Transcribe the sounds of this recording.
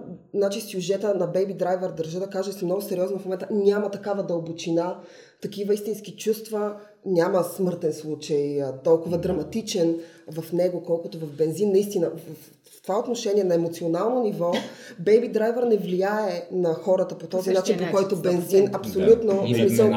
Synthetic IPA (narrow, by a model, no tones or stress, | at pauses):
znat͡ʃisʲjuʒɛt̪ənɐbɛjbid̪ɾajvɛɾd̪əɾʒəd̪ɐkaʒɛsɛmnɔɡʊsɛɾiɔznofmomɛnt̪ənʲamɐt̪ɐkavɐd̪əlˠbot͡ʃina | t̪ɐkivəist̪inskit͡ʃust̪və | nʲaməsmɤɾt̪ɛnslˠut͡ʃəjt̪ɔlˠkʊvɐd̪ɾɐmɐt̪it͡ʃɛn | vɐfnɛɡokɔlˠkʊt̪ovɐvbɛnzinːɐist̪inəvf | t̪ovaot̪noʃɛniɛnɐɛmot̪sionalˠnonivɔbɛjbid̪ɾajvəɾnɛvlijaɛnɐxɔɾət̪əpot̪ɔzinat͡ʃinpokɔjt̪obɛnzinɐpsolʲut̪nosmisəlˠ